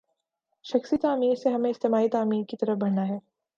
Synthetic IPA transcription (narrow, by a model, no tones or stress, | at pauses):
ʃɐxsit̪aːmiːɾseɦɐmẽɪst̪eːmaːit̪aːmiːɾkit̪ɐɾəfbɐɽnaɦɛː